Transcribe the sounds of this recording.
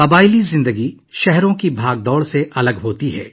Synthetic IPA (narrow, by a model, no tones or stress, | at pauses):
kɐbaːɪlizɪ̃nd̪əɡi | ʃɛɦɾõkibʱaːɡ̚d̪ɔːɽseʔɐləɡɦoːt̪iɦɛ̰ː